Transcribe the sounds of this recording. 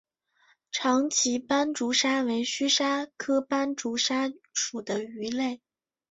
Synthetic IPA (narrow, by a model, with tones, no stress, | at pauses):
ʈ͡ʂʰɑ˧˥ŋt͡ɕʰi˧˥pa˥nʈ͡ʂu˧˥ʂa˥we˧˥ɪɕy˥ʂa˥kʰɤ˥pa˥nʈ͡ʂu˧˥ʂa˥ʂu˨˩d̪ə˦y˧˥le˥˩ɪ